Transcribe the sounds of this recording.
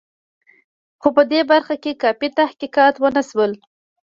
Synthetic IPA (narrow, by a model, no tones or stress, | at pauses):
xopəd̪ebaɾxakekɑfit̪ahkikɑt̪wənaswəl